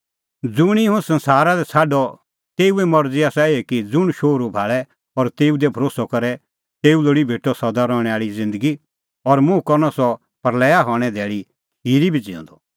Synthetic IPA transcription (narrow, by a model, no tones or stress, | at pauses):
d͡zʊɽ̃iɦũsɐ̃nsaːɾad̪ɛt͡sʰaːɖɔ | t̪eːuɛmɔɾd͡ziaːsaeekid͡zʊɽ̃ʃoːɾubʱaːɭɛ | ɔɾt̪eːud̪ɛbʱɐɾoːsɔkɐɾɛ | t̪eːuloːɽibʱeːʈɔsɐd̪aɾɔːɽ̃ɛaːɭid͡zɪ̃nd̪əɡi | ɔɾmʊ̃kɔɾnɔsɔ | pɐɾlɛːaɦɔːɽ̃ɛd̪ɛːɭi | kʰiːɾibʱid͡zɪ̃ɔ̰̃nd̪ɔ